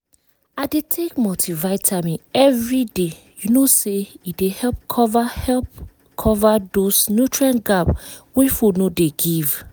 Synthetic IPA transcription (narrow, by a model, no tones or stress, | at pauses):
adetʰekmɔtʰivaɪtʰamĩɛvɹide | junoseidehɛlp̚kʰɔvahɛlp | kʰɔvadosnjutɹãnɡabwefunodeɡiv